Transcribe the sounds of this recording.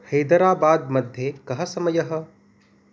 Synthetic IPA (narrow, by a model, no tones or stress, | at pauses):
hɐjd̪ɐɾaːbaːd̪mɐd̪ʱjekɐɦɐ̆sɐmɐjɐɦɐ̆